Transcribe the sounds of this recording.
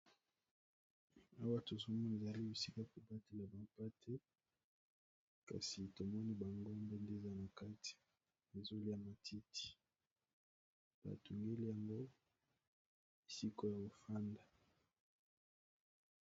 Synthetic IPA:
a˦wa˦to˨zo˦mɔ˦ne˨za˨li˦bi˨si˦ka˦ko˨ba˦te˨la˨ba˨mpa˦tʰɛ˦ | ka̰˨si˨to˨mɔ˦ni˦ba˨ŋɡo˦mbe˦nde˦˨za˦na˨ka˦ti̥˨ | e˨zo˦li˦a˦˨ma˨tʰi˦ti̥˨ | b̥a̰˨tu˨ŋɡe˦li˦ja˨ŋɡo˦ | i˨si˦ko˦ja˨ɡo˨fa˦nda˨

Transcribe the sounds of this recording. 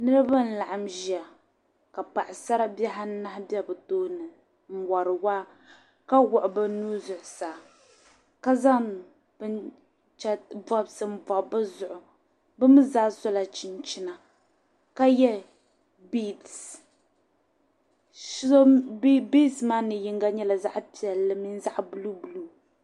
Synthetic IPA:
nɨ˦ɾɨ˦ba˦n̩˨la˨ʔa˨mʒi˨a˨ | ka˨pa˨ʔɪ˨sa˦ɾa˦ba˦ɦa˦n˦na˦hbɛ˦bɨ˨toː˦nɨ˨ | m̩˦wa˨ɾɨ˨wa˦ | ka˦wʊ˨ʔʊ˨bɨ˦nuː˦zʊ˨ʔʊ˨saː˨ | ka˦za˦ | bɨ˦n | t͡ʃa˦ba˦bsɨ˨m̩˦ba˨bɨ˦zʊ˨ʔʊ˨ | bɨ˦mɨ˦zaː˦so˦la˨t͡ʃi˨nt͡ʃi˦na˨ | ka˦jɛ˦ | bi˦˨s | bbi˦smaː˦nɨ˨ji˦ŋɡa˦ɲɛ˦la˨za˦ʔpi˨ɛ˨lːɨ˦mi˦n˦za˦ʔbu˦lu˦bu˨lu˦

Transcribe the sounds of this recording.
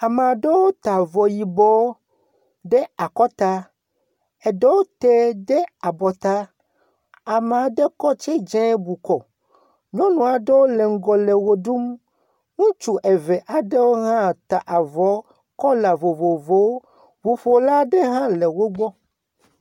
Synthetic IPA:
a˨me˨a˨ɖe˦wo˦t̪a˨vɔ˨ji˨bɔ˦w | ɖe˦a˨kɔ˦t̪a˦ | e˨ɖe˦wo˦t̪e˦ɖe˦a˨bɔ˨t̪a˦ | a˨me˨a˨ɖe˦kɔ˦t͡ʃe˦d͡ʒɛ̃˦bu˨kɔ˨ | ɲɔ̃˦nũ˨a˨ɖe˦wo˦le˨ŋ̩˦ɡɔ˨le˨wo˦ɖu˦m | ŋũ˦t͡ʃu˨ʔe˨ve˨ʔa˨ɖe˦wo˦ɦã˦˨t̪a˨ʔa˨vɔ˨˦ | kɔ˦la˨vo˨vo˨vo˦w | vo˨fo˨la˦ɖe˦ɦã˦le˨wo˦ɡ͡bɔ˦

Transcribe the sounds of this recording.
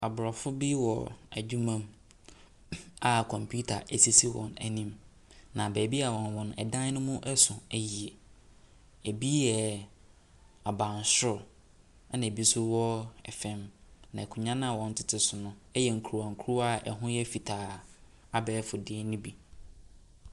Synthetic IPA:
a˨bʊ˨ɾɔ˨fʊ˦bi˦wɔ̰˨æ̰˨d͡ʑᶣu˦mã˦m | a˨kʰɔ̃˨mpʰu˦tʰa̰˨ʔæ˨si˦si˦wɔ̰̃˨næ̰˨nĩ˨m | nã˨bɛ˨bi˦a˨wɔ̃˨nwɔ̃˨nʊ̃˨ɛ̰˨dã˦n˦nʊ̃˦mʊ̃˦ʔɛ˦sʊ̃˨æ˦ji˨ɛ˨ | æ˨bi˦jɛ˨ | a˨bã˨n˨sʊ˦˨ | a˦nã˨bi˦sʊ˦wɔ˦ɛ˨fɛ̃˦mnã˨kʰʊ˨ɲã˦nã˦˨wɔ̃˨n̩˨tʰɪ̥˨tʰɪ˨sʊ˨nʊ̃˦ɛ˦jɛ˨ŋ̩˨kʰu˨a˨ŋ̩˨kʰu˦ɾu˦a˨ɛ̰˨ɦʊ̃˦jɛ˦fi˨tʰaː˨ | a˨bɛː˦fʊ˨dɪ˦ɛ˦nĩ˦bi˨

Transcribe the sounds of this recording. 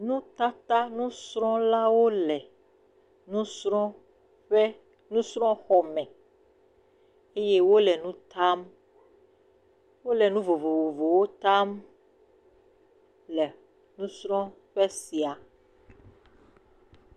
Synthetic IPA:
nũ˦t̪a˦t̪a˦nũ˦sɾ̃ɔ̃˦la˦wo˦lɛ˨ | nũ˦sɾɔ̃˦ | ɸɛ˦ | nũ˦sɾɔ̃˦xɔ˨mɛ̃˨ | e˦je˦wo˦lɛ˨nũ˦t̪a˦m | wo˦lɛ˨nũ˦vo˨vo˨vo˨vo˨wo˦t̪a˦m | lɛ˨ | nũ˦sɾɔ̃˦ | ɸɛ˦si˨a˨

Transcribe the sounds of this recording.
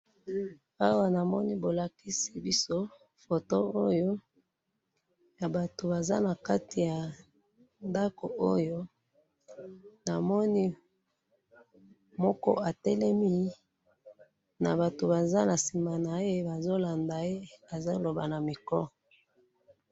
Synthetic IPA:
a˦wa˨na˨mɔ˦ni˦bo˨la˨ki˦si˨bi˦so˦ | fo˨to˦o˦jo˦ | ja˨ba˨to˨ba˨za˦na˨ka˦ti˨ja˨ | nda˦ko˨o˦jo˦ | na˨mɔ˦ni˦ | mɔ˦kɔ̰˦a˨tɛ˦lɛ˦mi˦ | na̰˨ba˨to˨ba˨za˦na˨si˨ma˨na˨e˦ba˨zo˦la˨nda˨e˦a˨za˦lo˨ba˨na˨mi˨kɔ˦

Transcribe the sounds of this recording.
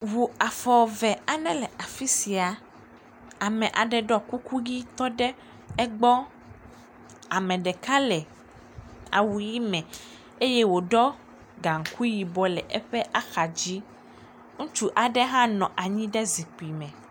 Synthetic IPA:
wu˨a˨fɔ˨vɛ˨a˨nɛ̃˦lɛ˨a˨fi˦si˨a˨ | a˨mɛ̃˨ʔa˨ɖɛ˨ɖɔ˦ku˦ku˦ɡi˦t̪ɔ˦ɖɛ˦ | ɛ˦ɡ͡bɔ˦ | a˨mɛ̃˨ɖɛ˨ka˦lɛ˨ | a̰˨wu˨ji˦mɛ̃˨ | e˦je˦wo˨ɖɔ˦ | ɡa˨ŋ̩˨ku˦ji˨bɔ˨lɛ˨ʔɛ˦ɸɛ˦ʔa˦xa˨d͡ʑi˦ | ŋũ˦t͡ʃu˦ʔa˨ɖɛ˦ɦã˦nɔ̃˨ʔa˨ɲĩ˦ɖɛ˦zi˨k͡pi˨mɛ̃˨

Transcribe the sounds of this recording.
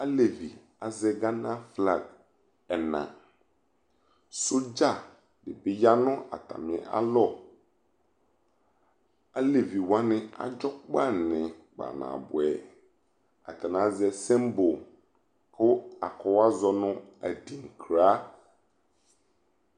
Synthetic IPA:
a˦le˨vi˨ | a˨zɛ˦ɡa˦nã˦fla˨ɡ | ɛ˨nã̰˨ | sʊ˦d͡ʒa˦˨ | dɪ˨bɪ˨ja˦nʊ̃˦a̰˨tʰa̰˨mɪ̃˨ɛ˨ʔa̰˦lɔ˦ | a˦le˨vi˨wã˦nɪ̃˦a̰˨d͡ʒɔ˦k͡pa˦˨nɪ̃˨k͡pa̰˨nã̰ː˨bʊ˨ɛ˨ | a̰˨tʰa˨nã˨˦zɛ˦sɛ̃˦mbo˨ | kʰʊ˦a˨kʰɔ˨wa˦zɔ˨nʊ̃˦æ˨dĩ˨ŋ˨kʰɾaː˦

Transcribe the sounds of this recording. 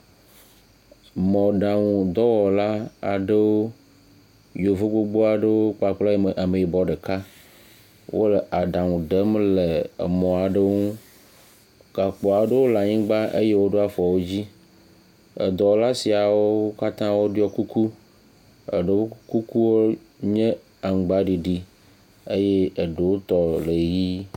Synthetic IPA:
mɔ̃˨ɖa˨ŋũ˨d̪ɔ˦wɔ˨la˦a˨ɖe˦wo˦ | jo˨vo˦ɡ͡bo˦ɡ͡bo˦a˨ɖə˦wo˦k͡pa˨k͡plɔ˦˨ʔa˨me˨i˨bɔ˨ɖe˨ka˦ | wʔo̰˦le˨ʔa˨ɖa˨ŋũ˨ɖə˦m˦lḛ˨mɔ̃˨a˨ɖe˦ŋũ˦ | ka˨k͡pɔ˨a˨ɖə˦wo˦la˨ɲĩ˦ɡ͡ba˦ʔe˦je˦wo˦ɖe˦a˦fɔ˨wo˦d͡ʑi˦ | ə̰˨d̪ɔ˨wla˦si˨a˨wo˦ka˦t̪ã˦wo˦ɖi˦ɔ˦ku˦kʰu˦ | ə̰˨ɖe˨wo˦ku˦ku˦wo˦ | ɲẽ˦ | a˨ŋ˨ɡ͡ba˦ɖi˨ɖi˨ | e˦je˦ə˨ɖe˨wo˦t̪ɔ˨le˨ji˦

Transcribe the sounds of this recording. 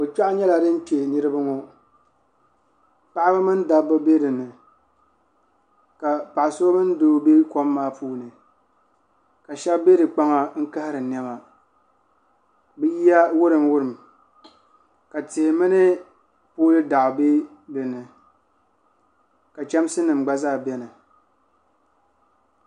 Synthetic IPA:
o˨t͡ʃa˦ʔɲɛ˦la˨dɨ˦n̩˦t͡ʃe˨nɨ˦ɾɨ˦bɨ˦ŋo˨ | pa˦ʔa˦bɨ˦mɨ˦n˦da˦bɨ˦be˦dɨ˨nɨ˨ | ka˨pa˨ʔsʊ˦o˦mɨ˦n˦do˦be˦ko˦mːaː˦pʰuː˦nɨ˨ | ka˨ʃɛ˦bbe˦dɨ˨k͡pa˦ŋa˨ŋ̩˦ka˦hɪ˦ɾɨ˨n˦ɛ˦ba˨ | bɨ˦ji˦a˦wʊ˦ɾɨ˨mwʊ˦ɾɨ˨m | ka˨te˨hmɨ˦nɨ˦ | poː˦lɨ˦da˨ʔʊ˨be˦ | dɨ˨nɨ˨ | ka˨t͡ʃɛ˦msɨ˦nɨ˨mɡ͡ba˦zaː˦˨bɛ˦nɨ˨

